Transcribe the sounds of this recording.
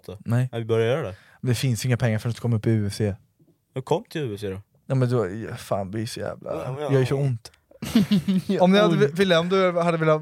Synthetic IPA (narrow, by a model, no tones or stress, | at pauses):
ɔnɛjvɪbœɾjajœːɾad̪ɛ | mɛnd̪ɛfɪnsɪŋːapʰɛŋːaɾfœɾt̪st̪kʰɔmːaɵpːɪʉ̟ːɛfseː | hkʰɔmːt̪ʰɪlʉ̟ːɛfseːd̪ɔ | jaːmɛnd̪ɛfa̰ːnbɪʂɔjæ̰ːvlʔa̰jɑjœʂɔʊnt̪ | ɔmnɪhad̪ːəvɪlːaɔmd̪ʉhad̪ːəvɪlːa